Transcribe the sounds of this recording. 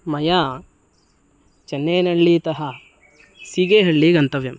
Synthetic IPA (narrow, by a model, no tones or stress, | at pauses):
mɐjaː | t͡ʃɐnːeːnɐɭːit̪ɐɦɐ | siɡeːɦɐɭːiɡɐnt̪ɐʋjɐm